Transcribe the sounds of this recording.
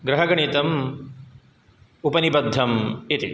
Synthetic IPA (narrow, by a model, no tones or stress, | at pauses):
ɡɾɐɦɐɡɐɳit̪ɐm | upɐnibɐd̪ʱːɐmit̪ḭ